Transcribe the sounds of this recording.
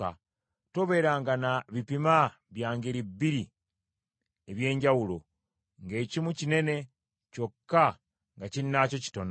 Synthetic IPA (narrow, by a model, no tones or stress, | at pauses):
a̰ | to̞βe̞ːɾaːŋɡanaβipima | βjaːŋɡeɾibːiɾi | eβje̞ːɲɟawulo̞̰ | ŋɡe̞ːcimucine̞ne̞ | co̞kːa | ŋɡacininaːco̞ci̥to̞n